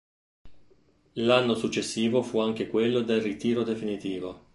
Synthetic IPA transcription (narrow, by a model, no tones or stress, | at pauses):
lanːosut͡ʃːesːiːvofuaŋk̟ekwelːod̪elrit̪iːɾod̪efinit̪iːvo